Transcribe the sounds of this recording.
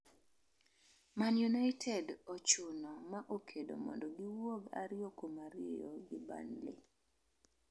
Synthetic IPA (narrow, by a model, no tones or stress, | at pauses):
manjunaɪtʰɛdɔt͡ʃʊnɔmaʔokʰedo̰mɔ̰ndɔɡɪwoɡa̰ɾɪjokomaɾjḛjoɡɪba̰nlɪ̰